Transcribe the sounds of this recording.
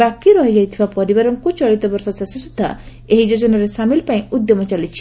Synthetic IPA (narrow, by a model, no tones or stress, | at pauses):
akiɾɔɦid͡ʒajt̪ʰibapɔɾibaɾɔŋkut͡ʃɔɽit̪ɔbɔɾsɔsasisud̪ʱːa̰ | eɦid͡ʒod͡ʒɔnaɾesamilpaĩud̪jɔmɔt͡ʃalit͡ʃʰi̥